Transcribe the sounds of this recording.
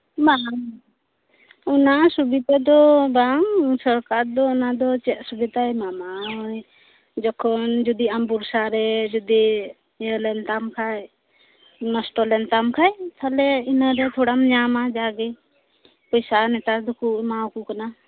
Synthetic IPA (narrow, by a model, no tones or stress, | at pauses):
ba | ɔnasubit̪ad̪ɔbaŋsəɾkaɾd̪ɔɔnad̪ɔt͡ʃɛt̪̚subit̪ajmamaɔj | d͡ʒɔkʰɔnd͡ʒɔd̪iambuɾsaɾɛd͡ʒɔd̪i | əlɛnt̪amkʰaj | nɔsʈɔlɛnt̪amkʰajt̪ʰalɛinaɾɛt̪ʰɔɽamɲamad͡ʒaɡi | pɔjsanɛt̪ad̪ukumawkukana